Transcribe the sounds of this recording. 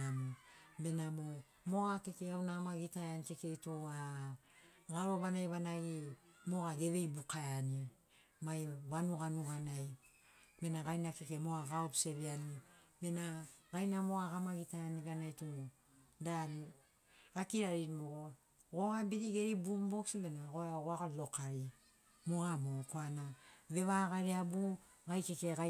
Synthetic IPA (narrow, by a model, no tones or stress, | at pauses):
anibe̞namo | moakekeawnaːmaɡitaeanikekeitoa | ɡaɾo̞βanajβanaɡimo̞ɡaɡe̞βe̞jbukaeani | majβanuɡanuɡanaj | be̞naɡajnakekemoaɡaopse̞βeanibe̞naɡajnamo̞ɡaɡamaɡitaaniɡanajtuo | daɾi | ɡakiɾaɾimoɡo | ɡoɡabiɾiɡeɾibumboksbe̞naɡoaɡoaɣolokaɾi | moɡamokoanaβe̞βaɡaɾeabu | ɡajkekeɡa